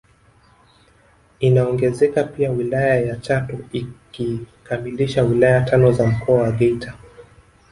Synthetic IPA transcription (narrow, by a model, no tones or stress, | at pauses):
inaɔŋɡɛzɛkapiawilajajat͡ʃatɔikikamiliʃawilajatʰanɔzam̩kʰɔawaɡɛitʰa